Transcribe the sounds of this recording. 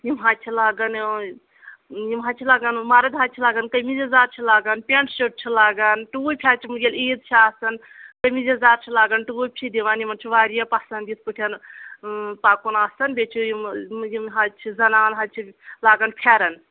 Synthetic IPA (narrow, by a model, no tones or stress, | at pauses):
jimɦat͡ʃʰilaːɡɐn | jimɦat͡ʃʰilaːɡɐnmaːɾɐd̪ɦat͡ʃʰilaːɡɐnkəjmizɐzaːɾt͡ʃʰilaːɡɐnpʲeɳʈst͡ʃoʈ̚t͡ʃʰilaːɡɐnʈuujʲpʰʲaːt͡ʃʰimɨɡʲeleːd̪t͡ʃʰiaːsɐn | kɐjmizɐzaːɾt͡ʃʰilaːɡɐnʈuujpʰid̪iʋanjimɐnt͡ʃʰiʋaːɾijɐpɐsɐnd̪it̪̚ʰpɨʈʰʲjɐn | paːkunaːsɐnbʲet͡ʃʰijimjimɦat͡ʃʰizɐnaːnɦat͡ʃʰilaːɡɐnpʲʰaːɾɐn